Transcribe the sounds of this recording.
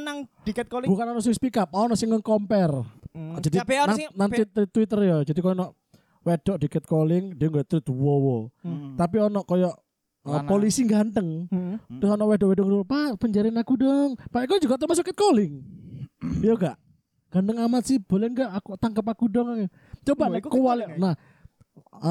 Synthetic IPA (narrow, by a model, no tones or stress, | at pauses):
naŋdikt̪̚bukanɔnɔʔs̬uɪspikap̚aɔnɔʔsɪŋːəŋkɔmpɛrd͡ʒadinaŋnaŋt̪ɪt̪t̪wit̪ərjɔd͡ʒadikɔjɔnɔʔ | wed̥ɔʔd̥ikɛt̪̚kolɪŋdiŋɡɔjt̪ɾɪt̪wɔwɔt̪apiɔnɔʔkɔjɔʔ | əpolisiŋɡant̪əŋdəɔnɔʔwɛdɔʔwɛdɔŋpapəɲd͡ʒaɾinakudɔŋpaikɔd͡ʒuɡaʔt̪əmas̬ukːɪt̪̚kolɪŋ | jɔɡaʔ | ŋɡ̥ant̪əŋamat̪̚sib̥olɛnɡaʔakut̪aŋkəp̬akudɔŋaɛ | t͡ʃobakuwalnah